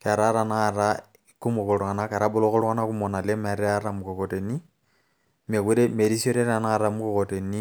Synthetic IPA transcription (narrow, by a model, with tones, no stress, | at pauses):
ka˨ɾa˦ɾa˨na˦˨ɾa˦ | ku˦mo˨kɔ˨ɾa˨na˦ka˨ɾa˦bo˦lo˦ko˦ɾwɣa˦na˦ku˦mɔ˨na˨le˦ma˨ɾe˦a˦ɾa˨mu˨kɔ˨kɔ˨te˨ni˦ | me˨ku˦ɾe˦me˨ɾi˦sio˦ɾe˦ɾa˨na˦˨ɾa˦mu˦kɔ˨kɔ˨te˨ni˦